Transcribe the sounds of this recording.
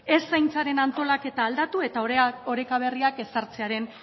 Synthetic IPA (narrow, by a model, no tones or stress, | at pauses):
e̞sajnt͡saɾe̞nant̪o̞lake̞t̪aːld̪at̪ue̞t̪aoɾe̞kaβ̞e̞riake̞saɾt͡se̞aɾe̞n